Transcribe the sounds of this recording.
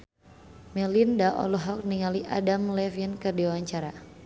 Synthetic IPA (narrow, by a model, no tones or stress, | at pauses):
mɛlindaʔɔ̰lɔɦɔk̚niŋaliʔa̰damlɛfinkərdiwawaɲt͡ʃaɾa